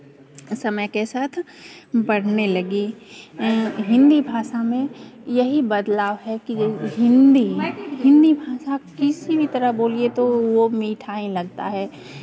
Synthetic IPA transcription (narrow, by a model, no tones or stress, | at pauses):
sɐməjkesaːt̪ʰ | bɐɽ̤nelɐɡi | ɦɪ̃nd̪ibʱaːʃamẽjɐɦibɐd̪laːʋɦɛkiɦɪ̃nd̪iɦɪ̃nd̪ibʱaːʃakɪsibʱit̪ɐɾəɦboːliet̪oʋomiːʈʰaːĩlɐɡ̚t̪a̰ɦɛː